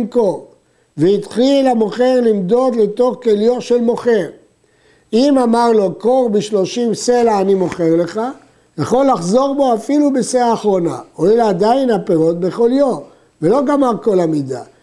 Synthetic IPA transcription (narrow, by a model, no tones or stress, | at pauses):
mko̞ʁ | veit̪χilamo̞χe̞ʁlimd̪o̞d̪le̞t̪o̞χkeljo̞tʃe̞lmo̞χe̞ʁ | imamaʁlo̞ko̞ʁbiʃlo̞ʃimse̞laːnimo̞χe̞ʁle̞χa | jaχo̞lːaχzo̞ʁbo̞afilubeseaːχʁo̞na̰oilad̪ainapeʁo̞t̪̚be̞χo̞ljom | ve̞lo̞ɡamaʁko̞lamid̪a̰